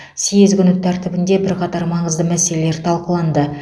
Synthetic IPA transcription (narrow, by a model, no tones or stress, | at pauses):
sijɪzɡʲʏnʏt̪ʰːæɾt̪ɪbɪnd̪e̞bɪɾqʰɑt̪ɑɾmɑɴəzd̪əmæse̞le̞le̞ɾt̪ʰɑlˠqəlˠɑnd̪ə